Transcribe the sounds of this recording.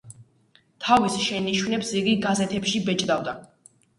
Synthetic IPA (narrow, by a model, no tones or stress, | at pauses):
t̪ʰavisʃɛniʃwnɛpsiɡiɡazɛt̪ʰɛpʃibɛt͡ʃʼd̪avd̪a